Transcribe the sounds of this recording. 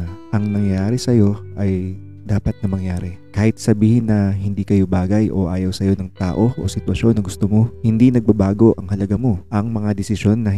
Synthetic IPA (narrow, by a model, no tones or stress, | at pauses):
ʔɐŋnɐŋjaːɾɪsɐjo̞ʔɐj | d̪aːpɐt̪̚nɐmɐŋjaːɾɛkaːhɪt̪̚sɐbiːhɪnːɐɦɪnd̪ikɐjo̞baːɡɐjʔo̞ʔaːjɐwsɐjo̞nɐŋt̪aːʔo̞ʔo̰sɪt̪wɐʃo̞nːɐɡʊst̪omo̞hɪnd̪inɐɡ̚bɐbaːɡo̞ʔɐŋhɐlɐɡamo̞ʔɐŋmɐŋad̪ɛsɪʃo̞nːɐ